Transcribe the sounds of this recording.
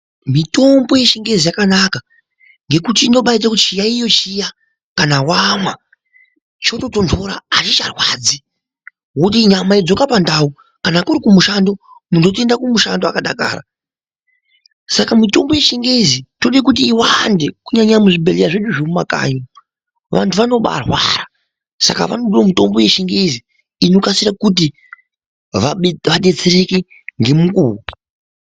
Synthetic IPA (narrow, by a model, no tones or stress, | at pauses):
mito̞mbo̞je̞ʃeŋɡe̞zijakanaka | ŋɡe̞kutiːnoɓait͡sakut͡ʃijaijo̞t͡ʃija | kanawamwa | t͡ʃo̞to̞to̞ntʰoɾa̰ːt͡ʃit͡ʃarwaːd͡zi | wotiɲamaid͡zo̞kapandau | kanakuɾikumuʃando̞ | mundo̞te̞ndakumuʃandoakaɗa̰ka̰ːɾa̰ | sakamito̞mbo̞je̞ʃiŋɡezitoɗakut̬iːwandekuɲaɲamuʐibʱe̞lejaʐeɗuʐemumaka̰ːɲo | ʋantʰuʋano̞ɓa̰rwa̰ra | sa̰ka̰ʋa̰noɗulomito̞mbo̞je̞ʃiŋɡe̞zi | ino̞kasirakut̬i | ʋaʋaɗe̞t͡sereke | ŋɡe̞mukuːwu